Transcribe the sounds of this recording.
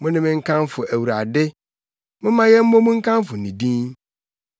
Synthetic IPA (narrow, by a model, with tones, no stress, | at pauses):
mʊ̃˦nɪ̃˦mɪ̃˦ŋ̩˦kʰã˦m˦fʊ˨ʔæ˨wu˨ɾa˨dɪ˦ | mɪ̃˦mã˨˦jɛ˦m̩˦mõ˦mũ˦ŋ̩˦kʰã˦m˦fʊ˨nĩ˨dĩ˦n